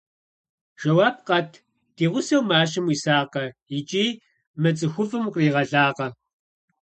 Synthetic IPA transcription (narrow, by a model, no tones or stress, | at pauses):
ʒ̥ɐwaːp̚qʼɐtʰ | d̥iːʁʷʊsɐwmaːɕ̬ʼɪmwisaːqɐit͡ʃʼiː | mɐt͡sʼɨxʷʊvɨmqʼriːʁɐɮaːqɐ